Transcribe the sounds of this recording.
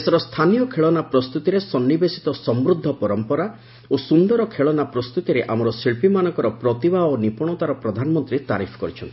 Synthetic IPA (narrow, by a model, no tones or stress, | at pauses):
esɔɾɔst̪ʰanijɔkʰeɭɔnapɾɔst̪ut̪iɾesɔnːibesi̥t̪ɔsɔmbɾud̪ʱːɔpɔɾɔmpɔɾa | osund̪ɔɾɔkʰeɭɔnapɾɔst̪ut̪iɾeʔamɔɾɔsiɭpimanɔ̃ŋkɔɾɔpɾɔt̪ibʱaonipɔɽ̃ɔt̪aɾɔpɾɔd̪ʱanɔmɔnt̪ɾit̪aɾipʰɔ̥kɔɾit͡ʃʰɔnt̪i